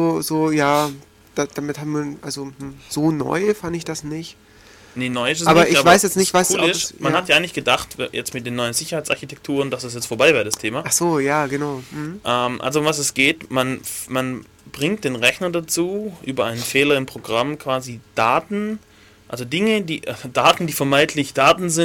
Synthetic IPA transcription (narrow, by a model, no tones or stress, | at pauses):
zoːzoːjaː | d̥ad̥amɪthaːbmviːnʔalzomm̩z̥oːnɔ̰ʏfandɪçd̥asnɪçt | nənɔʏɪs̬ɛsaːbɐaʔɪçavaɪsjɛt͡snɪçv̥aɪsuːlɪʃmannhatjaʔaɪŋlɪçɡ̥ədaχtjʔɛt͡stmɪt̚d̥eːnːɔʏənzɪçɐhaɪt͡sʔaɐçitʰɛk̚tʰuːʁənd̥asd̥as̬jɛt͡stfoɐbaɪvɛːɐədastʰeːmaːʔaχz̥oːjaːɡənaʊm̩hm̩ʔɛmʔa̰lzoʊmvas̬ɛsɡ̥eːtmanman | b̥ʁɪŋt̚d̥eːnʁɛçnɐdat͡suːʔyːbɐʔaɪnənfeːlɐɪmpʁ̥oɡʁamkʰv̥aːzid̥aːtn̩ | ʔa̰lzodɪŋədiːʔdaːtn̩diːfɛɐmaɪtʰlɪçd̥aːtn̩zɪn